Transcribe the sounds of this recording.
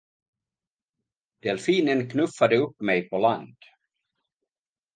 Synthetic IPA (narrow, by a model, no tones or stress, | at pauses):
d̪̥ɛlfiːnənkʰnɵfad̪əɵpːmɛjpʰɔland̪̥